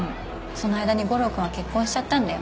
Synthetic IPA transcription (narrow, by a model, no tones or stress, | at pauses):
so̞noajd̪aɲ̟iɡo̞ɾo̞kɯ̟βake̞kːõɕi̥t͡ɕat̪ːãnd̪ajo̰